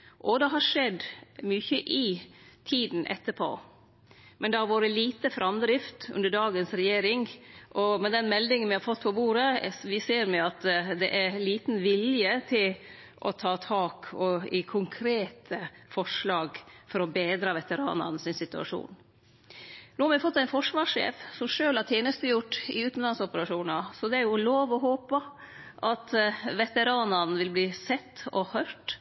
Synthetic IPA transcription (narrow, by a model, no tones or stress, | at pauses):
ʔɔd̪ɛɦɑʂɛd̪myːçəʔɪt̪ʰiːd̪n̩ʔɛ̰t̪ːəpʰo̰ː | mʔɛnd̪ɛhɑɾʋoːɾəliːt̪əfɾʔɑmd̪ɾɪft̪ʉ̰nd̪əɖɑːɡənsɾɛjeːɾɪŋʔɔmɛd̪ɛnmɛld̪ɪŋənʋɪhɑɾfɔt̪ːpʰɔbuːɾəʋɪseːɾmɛɑt̪d̪ɛʔæɾliːt̪n̩ʋɪljət̪ʰɪl | ʔɔ̰t̪ʰɑːt̪ʰɑːkʰɔɪkʰʊŋkʰɾeːt̪ʰəfɔʂlɑːɡfɔɾɔbeːd̪ɾɑʋɛt̪əɾɑ̰ːnɑ̰nsɪnsɪt̪ʉɑ̰ʂṵːn | nuːhɑɾmɛfɔt̪ːæɪnfɔʂʋɑːʂḛːfsɔmʂøːlhɑɾt̪ʰjeːnəst̪əjʊʈːɪ̰ʉːt̪nlɑnsɔpəɾɑʂuːnɑsɔd̪ɛæɾjʊloːʋɔɦoːpɑ | ʔɑt̪ʋɛt̪əɾɑːnɑnʋɪlbliːsɛt̪ːɔhœʈ